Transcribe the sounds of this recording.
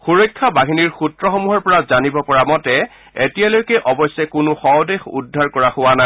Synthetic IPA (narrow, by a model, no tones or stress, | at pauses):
xuɹɔjkʰːabaɦiniɹxutɹɔxɔmuɦɔɹpɔɹazanibɔpɔɹamɔtɛ | etijalojkɛʔɔbɔjsɛkʊnʊxɔdexṵdʱːaɹkɔɹaxʊwana